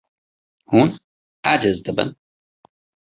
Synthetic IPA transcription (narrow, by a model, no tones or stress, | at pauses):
huːn | ad͡ʒəzd̪əbə̰n